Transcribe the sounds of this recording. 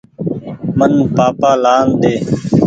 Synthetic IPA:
mənpaːpaːlaːnd̪eː

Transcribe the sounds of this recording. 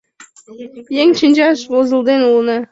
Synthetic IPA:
jeŋt͡ɕinʲd͡ʒɑʃwozəlˠd̪enulˠnə

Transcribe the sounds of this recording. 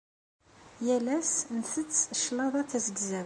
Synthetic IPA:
jælæsnθət͡sːʃlɑðˤɑθæzəɡzæ

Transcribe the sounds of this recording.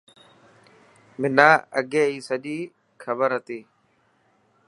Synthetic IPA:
mɪnaːə̰ɡeːiːsəʄiː | xʰəbəɾɦət̪iː

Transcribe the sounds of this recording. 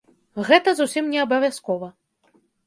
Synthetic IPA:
ɣɛt̪ɐzusʲimnʲɛɐbɐvʲjaskɔvɐ

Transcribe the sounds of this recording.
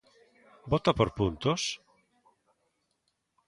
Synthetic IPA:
bot̪apoɾpunt̪os

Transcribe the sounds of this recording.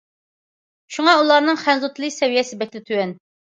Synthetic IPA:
ʃuŋɑulˠɑɾnɨŋχænzut̪ʰlˠɨkʲsɛvijɛsɪbɛkʲlɪt̪ʰywɛn

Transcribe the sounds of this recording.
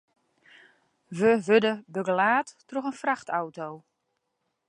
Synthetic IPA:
ʋəʋødəbøɡəlaːtːroxənfraxtʰawtow

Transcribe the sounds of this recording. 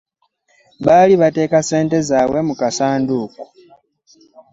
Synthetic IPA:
βaliβate̞ːkase̞ːnte̞zaːwe̞mukasaːnduku̥

